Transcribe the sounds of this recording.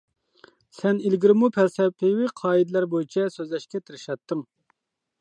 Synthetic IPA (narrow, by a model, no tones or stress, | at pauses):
sɛnilɡʲiɾɪmupʰɛlsɛpʰɪwiqʰɑːid̪læɾbojit͡ʃʰɛsøzlɛʃkʲɛt̪ʰɪɾɪʃɑt̪ːɨŋ